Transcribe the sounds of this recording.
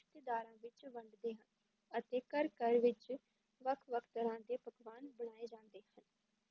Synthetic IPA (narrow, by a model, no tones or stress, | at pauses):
ʃt̪eːd̪aːɾãːʋɪt͡ʃʋəɳɖd̪eːɦən | ət̪eːkəɾkəɾʋɪt͡ʃ | ʋəkʰʋəkʰt̪əɾãːd̪eːpəkʋaːnbəɽ̃aːeːd͡ʒãːnd̪eːhən